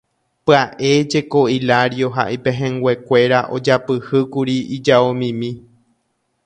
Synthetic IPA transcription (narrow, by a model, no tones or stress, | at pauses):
pɨaʔe̞d͡ʒe̞koilaɾjo̞ɦa̰ʔipẽ̞ɦẽ̞ŋɡwʷe̞kʷe̞ɾaʔo̞̰d͡ʒapɨhɨkuɾiid͡ʒaomĩmĩ